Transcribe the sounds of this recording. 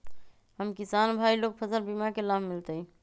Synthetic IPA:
həmkisanbʱailoɡ̚pʰəsəlbimakelammilt̪ə

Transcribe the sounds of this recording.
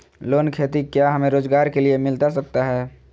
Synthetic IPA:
loːnkʰeːt̪ikjaɦəmẽɾoːzɡaːɾkeliemɪlt̪asək̚t̪aɦɛː

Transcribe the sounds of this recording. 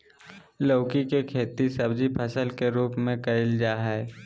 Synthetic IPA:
ləːkikekʰeːt̪isɐbd͡ʒipʰəsəlkeɾuːpmẽkɐɾɪld͡ʒaːɦɛː

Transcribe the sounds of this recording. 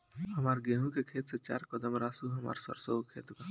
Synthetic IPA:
ɦɐmaːɾɡeːɦũkekʰeːt̪set͡ʃa̰ːɾkəd̪əmɾaːsuɦɐma̰ːɾsə̰ɾsoːkʰḛːt̪kaː

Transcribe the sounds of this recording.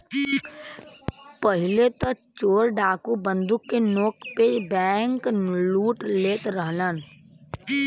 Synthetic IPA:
pəɦɪlet̪ət͡ʃoːɾɖaːkubə̃nd̪ʊkːenoːkpebɛŋkluːʈleːt̪ɾəɦlən

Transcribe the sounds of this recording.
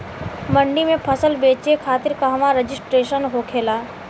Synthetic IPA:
mɐ̃ɳɖimẽpʰɐsəlbeːt͡ʃekʰaːt̪ɪɾkaɦɐmaɾed͡ʒɪsʈɾeːʃənɦokʰeːlaː

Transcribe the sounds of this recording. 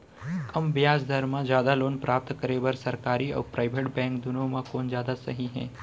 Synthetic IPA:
kɐmbɪjaːzd̪ʱɐɾmãd͡ʒjaːd̪aloːnpɾaːp̚t̪kɐɾeːbɐɾsɐɾkaːɾiɔ̰ːɾpɾaːɪʋeʈbɛ̃ːŋkd̪ʊnõmãkoːnd͡ʒjaːd̪asɐɦiɦɛ̰̃ː

